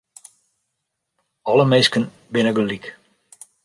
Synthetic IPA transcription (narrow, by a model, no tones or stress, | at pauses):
ɔləmeskən | bɪnəɡəlik